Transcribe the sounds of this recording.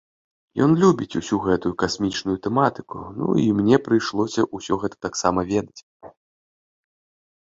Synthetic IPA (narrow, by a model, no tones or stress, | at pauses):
jɔnlʲubʲit͡sʲusʲuɣɛt̪ujukasʲmʲit͡ʂnujut̪ɛmat̪ɨ̥kunṵimnʲɛpɾɨjʂlˠɔsʲɐʔusʲɔɣɛt̪ɐ̥t̪aksamɐvʲɛd̪ɐt͡sʲ